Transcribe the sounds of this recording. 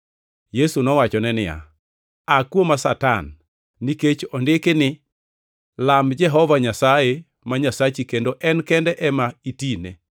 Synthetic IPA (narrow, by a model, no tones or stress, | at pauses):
jesunɔwat͡ʃɔnɛnɪja̰ | akwomasata̰nː | iket͡ʃɔndekenɪ | lamd͡ʒɛɦɔvaɲasae | maɲasat͡ʃikendoʔɛnkɛndɛʔɛmaitinḛ